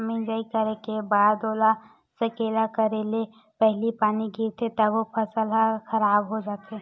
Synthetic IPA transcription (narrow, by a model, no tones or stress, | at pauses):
mĩd͡ʒaikəɾẽkebaːd̪oːla | səkeːlakəɾele | pɛɦlipaːniɡʱiɾt̪ʰet̪əbopʰəsəlɦaxəɾaːbɦod͡ʒaːt̪e